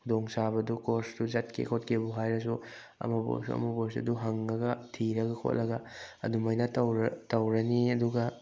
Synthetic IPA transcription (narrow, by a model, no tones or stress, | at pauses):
kʰudoŋsaβɐdukoɾsdud͡ʒat̚kʰḛkʰot̚kʰebuɦajɾɐs̬u | ɐ̰mɐbo̰sṵɐ̰mɐbos̬ɐ̰duɦɐŋːɐɡɐtʰiɾɐɡɐkʰo̰t̚lʔɐɡɐɐ̰dumɐjnɐtɐwɾɐtɐwɾɐniɐduɡɐ